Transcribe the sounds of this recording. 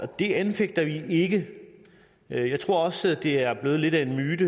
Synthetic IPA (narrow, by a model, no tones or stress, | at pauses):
ɒd̥e̝ænfeɡ̥̚d̥ɐʋie̝ɡ̥ə | jɑ̈ɪt͡sʰʁo̝ɐ̰ɒ̽sd̥e̝æɐb̥le̝ːð̞̩ˠle̝d̥æe̝nmyːd̥ə